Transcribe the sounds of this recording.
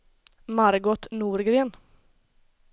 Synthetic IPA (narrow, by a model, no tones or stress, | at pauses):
maɾɡɔt̪nuːɾɡɾeːn